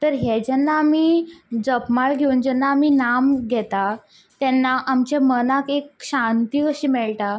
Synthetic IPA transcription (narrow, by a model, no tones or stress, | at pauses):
t̪əɾɦjɛd͡ʑɛnːaːmid͡zəpmaɭɡʱeund͡ʑɛnːaːminamɡʱɛt̪a | t̪ɛnːaʔamt͡ɕamənakekɕãnt̪iːkəɕiːmɛɭʈ̪a